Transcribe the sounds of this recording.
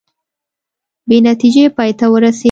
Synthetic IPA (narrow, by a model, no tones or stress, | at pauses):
benat̪id͡ʒepɑjt̪awəɾase